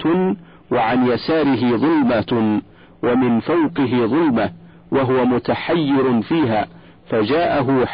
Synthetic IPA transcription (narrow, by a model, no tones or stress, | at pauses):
waʕanjasaːɾɪɦɪðˤʊlma | wamɪnfawqɪɦɪðˤʊlma | waɦʊwamʊt̪aħajːɪɾʊfiːɦaː | fad͡ʒaːʔaɦʊħ